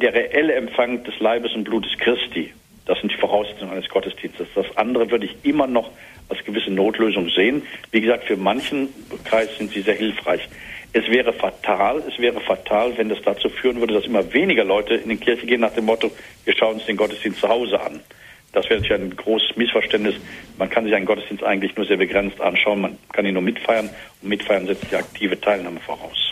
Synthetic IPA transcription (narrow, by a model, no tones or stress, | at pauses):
d̥eːɐʁeʔɛləɛmfaŋd̥ɛslaɪbəsʊnt̚b̥luːtə̥skʁ̥ɪstʰiː | d̥asz̥ɪntd̥iːfoʁaʊszɛt͡sʊŋʔaɪnəsɡ̥ɔtəsd̥iːnstəsd̥asʔa̰ndəʁəvʏɐdəɪçʔɪmɐnɔχ | ʔalsɡ̥əvɪsənoːtʰløːzʊŋzeːənviːɡəzaːktfyːɐmançn̩kʁ̥aɪsz̥ɪntz̥iːzeːɐɦɪlfʁ̥a̰ɪçʔɛsv̥ɛːʁ̞əfatʰaːlɛsv̥ɛːʁ̞əfatʰaːlvɛndasd̥at͡suːfyːʁənvʏɐdədasʔɪmɐveːnɪɡɐlɔʏtəʔɪ̰ndiːnkʰɪɐçəɡeːənːaːχd̥eːmɔtoviːɐʃaʊənʊnsd̥eːnɡɔtəsd̥iːnstt͡suhaʊzəʔa̰n | d̥asvɛːʁəntːiçʔaɪnnɡʁoːsə̥smɪsfɛɐʃtɛntnɪsmankʰanzɪçaɪnɡɔtəsd̥iːnstʔaɪɡŋ̩tlɪçnuːɐzeːɐbəɡʁɛnt͡stʔa̰nʃaʊənmankʰaniːnuːɐmɪtfaɪɐnʊntmɪtfaɪɐnzɛt͡std̥iːak̚tʰiːvətʰaɪlnaːməfo̰ːʁa̰ʊs